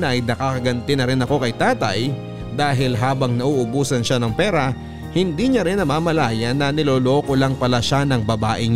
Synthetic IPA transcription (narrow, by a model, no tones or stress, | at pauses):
nɐʔɐjnɐkɐkɐɡɐnt̪ɪnɐɾɪnɐko̞kɐjt̪aːt̪ɐ̰j | d̪aːɦɪlɦaːbɐŋnɐʔuːʔʊbuːsɐnʃanɐŋpɛːɾɐ | hɪnd̪iɲɐɾɪnɐmaːmɐlaːjɐnːɐnɪloːlokolɐŋpɐlaʃanɐŋbɐbaːʔɪɲ